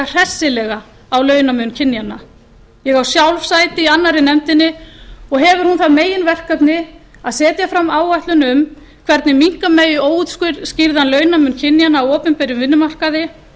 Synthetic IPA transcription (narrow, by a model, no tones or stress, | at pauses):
r̥ɛsːɪlɛɣaː | wlœːɥnamʏncʰɪnːjanːa | jɛɣawsjawlvsaːjt̪ɪianːaɾɪnɛmt̪ɪnːɪɔɣɦɛvʏɾ̥hunθaðmeːjɪnvɛr̥kapnɪ | aðsɛːt̪jafɾamːaːwvajht̪lʏnʏm | kʰv̥ɛɾt̪nɪmiŋ̥kameːjʏoːwut̪skʏɾ̥scɪɾðhanlœːɥnamʏncʰɪnːjanaːwɔːpʏnpɛɾjʏmvɪnːʏmar̥kaðɪ